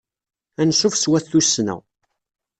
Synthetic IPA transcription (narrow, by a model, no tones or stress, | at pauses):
ænsufswæθːusːnæ̰w